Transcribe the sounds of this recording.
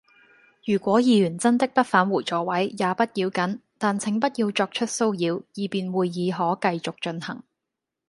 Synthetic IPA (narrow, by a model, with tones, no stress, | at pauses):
jyː˨˩kʷwɔː˨˥jiː˧jyː˨˩nt͡sɐ˥nt̪ɪ˥k̚pɐ˥t̚faː˨˥nwuː˨˩jt͡sɔː˨˥wɐ˨˥jjaː˨˧pɐ˥t̚jiː˨˧wkɐ˨˥nt̪aː˨nt͡sʰɪ˨˥ŋpɐ˥t̚jiː˧wt͡sɔː˧k̚t͡ʃʰɵ˥t̚so˥wjiː˨˧wjiː˨˩piː˨nwuː˨jːiː˨˧ɦɔː˨˥kɐ˧jt͡sʊ˨k̚t͡ʃɵ˧nhɐ̰˨˩ŋ